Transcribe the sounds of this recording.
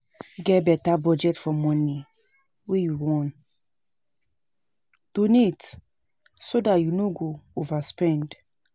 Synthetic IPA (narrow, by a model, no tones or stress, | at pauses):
ɡɛbɛtabɔd͡ʒɛtfɔmɔ̃ni | wejuwɔ̃n | d̥ũnit | sodatjunoɡoovaspɛ̃nd